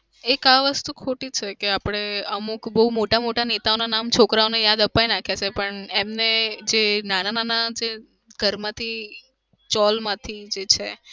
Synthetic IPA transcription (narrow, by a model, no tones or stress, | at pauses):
ekaʋəst̪ukʰoʈit͡ʃʰekeapɽ̃eəmukbəumoʈamoʈanet̪aonanamt͡ʃʰokɾaonejad̪əpajnakʰet͡ʃʰepəɳemned͡ʒenanananad͡ʒe | ɡʱəɾmãt̪ʰi | t͡ʃɔlmãt̪ʰid͡ʒet͡ʃʰe